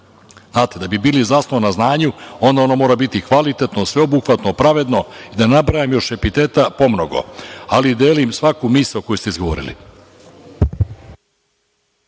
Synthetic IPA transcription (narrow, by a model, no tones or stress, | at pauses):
znaːt̪ed̪abibiːlizaːsnoʋanaznaːɲuo̞nd̪aonomo̞ːɾabit̪ikʋalit̪et̪nosʋe̞obuxʋat̪nopɾaʋe̞d̪no̞id̪anabɾajemjo̞ʃe̞pit̪e̞ːt̪apo̞mno̞ɡo̞̰alid̪eːlimsʋakumisaoko̞just̪eizɡoo̰ːɾḭlḭ